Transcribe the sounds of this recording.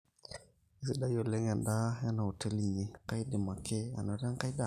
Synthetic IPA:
i˨si˨ɗa˦i˦ɔ˨lɛ˦ŋa˨nda˦ja˦na˨ɔ˨tɛ˦li˨ɲi˨ka˦i˦ɗɛ˨ma˨kɛ˦a̰˨nɔ˨˦ɾa˦ŋka˦i˦ɗa˦˨

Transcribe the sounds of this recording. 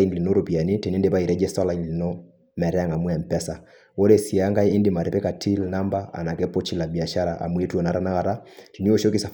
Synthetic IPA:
i˦n˨li˨no˦ɾo˨pi˨a˨ni˦tɛ˨ni˦nde˦pa˦i˨ɾɛ˦d͡ʒɛ˦sta˦la˨i˨˦n˨lɪ˨nɔ˦ | mɛ˨ɾɛ˦a˨ŋa˨mwɛ˨m˨pɛ˦sa˨ | wo˦ɾe˦si˨a˦ŋɡa˦iː˦ndɪ˨ma˨ɾɛ˨pɛ˦ka˨tʰi˦lna˦mba˦a̰˨na˨kɛ˦po˦t͡ʃi˦la˨bi˨a˨ʃa˦ɾa˨ʔa̰˨mwe˦tɔ˨na˦ɾa˦na˦ka˨ɾa˦ti˨ni˦o˦˨ʃo˦ki˦sa˨

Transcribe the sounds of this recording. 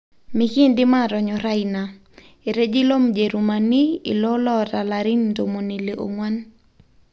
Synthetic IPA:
mɪ˦kɪ˦ndɪ˦ma˦˨ɾɔ˨ɲɔ˨ɾa˦ina˨ | e˨ɾe˦d͡ʒi˦lo˦md͡ʒe˨ɾu˨ma˨ni˦ɪ̰˨lɔ˦lɔ˦ɾa˨la˨ɾɪ˦nto˨mo˨ni˨le˨ʔo̰˨ŋwa˦n

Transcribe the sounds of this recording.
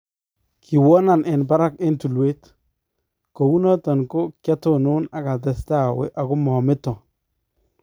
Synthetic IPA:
kʰi˨wɔ˦na˨nʔɪ˨nba˦ɾa˦ke˦ntu˨lwe˦t | ko˨wu˦nɔ˦tɔ˨nko˦kja˦to˦˨nʊ˦na˨ka˨t̬ɛ˨sta˦˨wḛ˦ʔa˨kʊ˦mɔ˨mɪ˦tɔ˨

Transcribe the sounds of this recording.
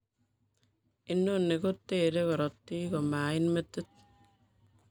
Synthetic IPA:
i˦nːo˦nːe˨ko˦tːe˦de˦kɔ˨ɾɔ˨tːi˦ko˨ma˨i˦nme˦tːe˦t̚

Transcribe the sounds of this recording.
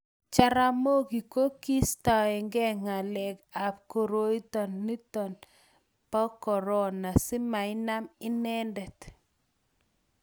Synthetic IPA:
t͡ʃa˨ɾa˨mo˦ki˨ko˦ki˦sta˨ɛ˨ŋɡɛ˦ŋa˨lɛ˨ɡa˨p̚ko˨ɾo˦i˦tɔ˨nːi˦tɔ˨n | pɔ˦kɔ˨ɾɔ˦na˨si˦ma˨ɪ˦na˦mɪ˦nɛ˦ndɛ˨t

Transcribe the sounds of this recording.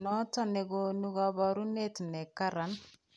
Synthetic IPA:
nɔ˦ta˦˨ne˨ɡonu˦ɡa˨ba˨ɾu˦ne˦tnɛ˨ka˦ɾa˨n

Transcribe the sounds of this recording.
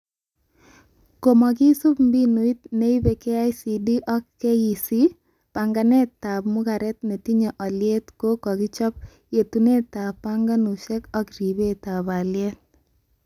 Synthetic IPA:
ko˨mɔ˨k̬ɪ˦su˦pm̩bi˦nu˨i˦t̪ne˦i˦be˨ke˦a˦jsi˨di˦ʔɔ˦kke˦ji˨si˦ | pa˨ŋɡa˨nɛ˦ta˨pmʊ˦ka˨ɾɛ˦t̪̚ne˨ti˦ɲɔ˨ʔɔ˨lje˦t̪ko˦kɔ˨kɪ˦t͡ʃɔ˦p̚ | je˨tu˨ne˦ta˨pa˦ŋɡa˦nu˨ʃɛ˦kɔ˦kɾi˨be˦ta˨ba˨lje˦t̚

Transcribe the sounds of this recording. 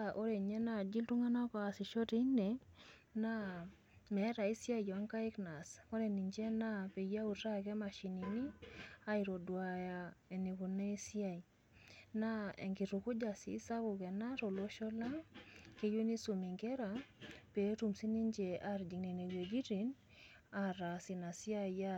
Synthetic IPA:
ʔo˦ɾe˨ɲɛ˦na˦˨d͡ʒi˦ltu˦ŋa˦na˦kɔ˨a˨si˨ʃɔ˦ti˦ne˨na˦ | mɛ˨˦ɾa˨i˦sja˦i˨jɔ˨a˦ŋka˦i˦kna˨skɔ˦ɾe˨ni˨ɲd͡ʒe˦na˦pe˨ja˦u˨ta˦kɛ˦ma˨ʃi˨ni˨ni˦a˦i˨ɾo˨dwa˨ja˨e˨ne˨ku˨ne˦i˦sja˦˨i˨ | na˦ɛ̰˨ŋɡi˨ɾu˨kʊ˦d͡ʒa˨sḭ˨˦sa˦kʊ˨kɛ˨na˦ɾo˨lo˦ʃɔ˦la˦ke˦jo˦ni˦su˨mi˨ŋɡe˦ɾa˨pe˨˦ɾu˨msi˦ni˦ɲd͡ʒe˨ʔa˨ɾd͡ʒi˨ŋne˨ne˨we˨d͡ʒi˦ɾi˨n | a˨ɾa˨si˨na˨sja˦ja˦

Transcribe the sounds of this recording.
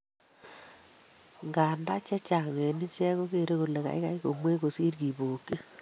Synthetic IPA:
ŋɡa˨nda˦t͡ʃɛ˦t͡ʃa˨ŋe˨ni˦t͡ʃɛ˦ko˦ke˨ɾe˦ko˨le˨ka̰˨i˦ka̰˦i˦ko˨mwe˦ko˨si˦ɾki˨boː˨ke˦

